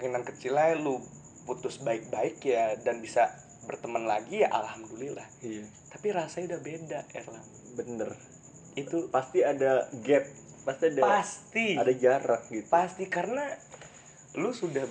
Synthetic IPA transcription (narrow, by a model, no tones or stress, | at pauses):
kinaŋkət͡ʃilalu | put̪ʊsbaɪk̚baɪkjadanbisa | bərt̪əmənlaɡijaʔa̰lhamdulilahija | t̪apiɾasaɲudahbedaɛ̰la̰ŋ | bənər | it̪upast̪iadaɡɛp̚ | past̪iadaast̪iadad͡ʒaɾak̚ɡit̪upast̪ikaɾəna | lusudah